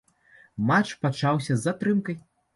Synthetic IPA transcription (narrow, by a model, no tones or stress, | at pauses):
mat͡ʂpat͡ʂawsʲɐzːat̪ɾɨmkɐj